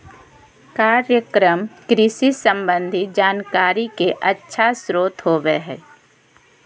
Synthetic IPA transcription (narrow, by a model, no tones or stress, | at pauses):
kaːɾjəkɾəmkɾɪsisə̃mbə̃nd̪ʱid͡ʒaːnkaːɾikeʔətːʃʰasɾoːt̪ɦoːʋeɦɛ̰ː